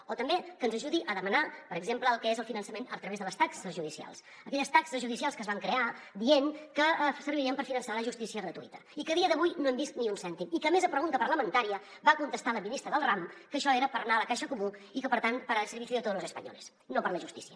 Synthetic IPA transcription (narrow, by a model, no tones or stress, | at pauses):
ot̪əmbekənzəʒuðiʔəðəmənapəɾəɡzempləəlˠkɛezəlˠfinənsəmenət̪ɾəβezðələst̪aksəzʒuðisia̰lˠs | əkɛʎəst̪aksəzʒuðisialˠskəzβaŋkɾea | d̪ieŋkəsəɾβiɾiəmpəɾfinənsaləʒust̪isiəɣɾət̪uit̪ə̥ikəðiəðəβujnoɛmbist̪niunsɛnt̪imikəːmezəpɾəɣunt̪əpərləmənt̪aɾiə | bakunt̪əst̪aləminist̪ɾəðəlˠramkəʃɔeɾəpəɾnaələkaʃəkumuikəpəɾt̪anpəɾasəɾβisiət̪oləzəspə̰ɲɔ̰lḛs | nopəɾləʒust̪i̥siə